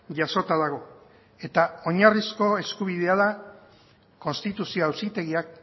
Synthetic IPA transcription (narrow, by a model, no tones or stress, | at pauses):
ʝaso̞t̪aðaɣ̞o̞ | e̞t̪ao̞ɲarisko̞e̞skuβ̞iðe̞aða | ko̞nst̪it̪usio̞awsit̪e̞ɣiak̚